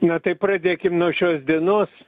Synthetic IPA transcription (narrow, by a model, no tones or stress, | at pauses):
nɐt̪ɐɪpɾɑd̪ʲeːkʲɪmnoːʃʲoːsd̪ʲiɛnoːs